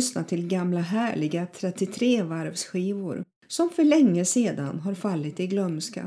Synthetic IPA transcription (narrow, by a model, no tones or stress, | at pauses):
ʏsnat̪ʰɪlɡamlaɦæːɭɪɡat̪ʰɾɛt̪ːɪt̪ʰɾeːvaɾvsɧiːvʊ̰ɾ | sɔmfœɭɛŋːəseːd̪a̰nɦaɾfalːɪt̪ɪɡlœmska̰